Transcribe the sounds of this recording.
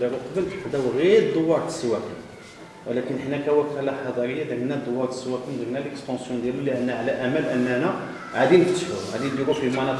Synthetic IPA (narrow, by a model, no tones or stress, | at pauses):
liɾəq̪bəlʔəħd̪æwɣiɾd̪ˤːowːɑɾˤt̪ə̥sːwækən | wəlækənəħnækæwækælaħɑd̪ˤɑɾəjːad̪əɡnæd̪ˤowːɑɾˤt̪ə̥sːwækənd̪əɡnælʔəkstɑ̃sjɔ̃d̪jæluliʕənːæʕlæʔæmælʔənːænæ | ʕad̪inəkt̪fuɾʕad̪ind̪iɾufimɑnɑ